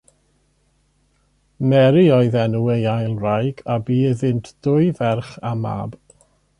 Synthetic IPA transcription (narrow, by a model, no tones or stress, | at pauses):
mɛɾiɔɨðɛnuejajlˠrajɡabiːəðɪntʰd̥ʊɨvɛrχama̰ːb̥